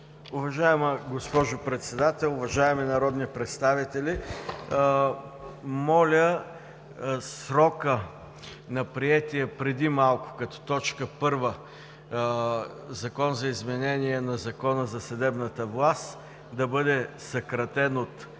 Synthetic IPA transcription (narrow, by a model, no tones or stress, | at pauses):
ʊvɐʒaɛməɡospɔʒʊpɾɛt̪sɛd̪at̪ɛlˠʊvɐʒaɛminɐɾɔd̪nipɾɛt̪st̪avit̪ɛlʲi | mɔlʲə | sɾɔkə | nɐpɾiɛt̪iɛpɾɛd̪imalˠkʊ̥kɐt̪ɔ̥t̪ɔt͡ʃkəpɤɾvə | zɐkɔnzɐizmɛnɛniɛnɐzɐkɔnəzɐsɐd̪ɛbnət̪əvlˠast̪ | d̪ɐbɤd̪ɛsɐkɾɐt̪ɛnot̪